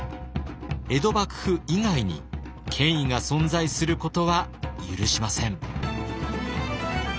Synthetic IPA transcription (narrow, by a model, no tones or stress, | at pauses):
e̞d̪o̞bakɯ̟̥hɯ̟iŋaiɲ̟ḭ | kʰẽ̞ɰ̃iŋasõ̞nd͡zaisɨɾɯ̟ko̞t̪o̞βajɯɾɯ̟ɕimasẽ̞ŋ